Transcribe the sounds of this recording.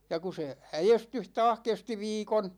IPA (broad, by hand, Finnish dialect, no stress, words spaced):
jɑ ku se æjestyh tɑːh kesti ʋiːkon